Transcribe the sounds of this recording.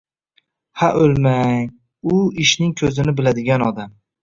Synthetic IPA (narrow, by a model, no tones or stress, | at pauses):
haʔolmaŋ | ʊɪʃnɪŋkʲʰɵzɪnɪbɪlad̪ɪɡʲanɒd̪am